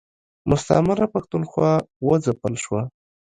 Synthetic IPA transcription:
mʊst̪a̰maɾapaxt̪unxwɑwəd͡zapəlʃwa

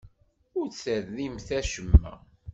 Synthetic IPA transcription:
ʊɾt͡sːəɾðimθæʃəmːæ̰

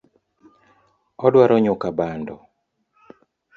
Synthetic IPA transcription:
ɔdwaɾɔɲʊkabandɔ

